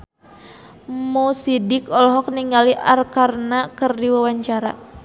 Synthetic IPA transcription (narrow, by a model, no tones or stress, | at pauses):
mosidikɔlɦɔk̚niŋɡaliʔarkarnakɨrdiwawaɲt͡ʃaɾa̰